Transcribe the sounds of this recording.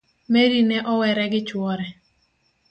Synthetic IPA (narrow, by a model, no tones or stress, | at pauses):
meɾinɛʔɔwɛɾɛɡɪt͡ʃwɔɾɛ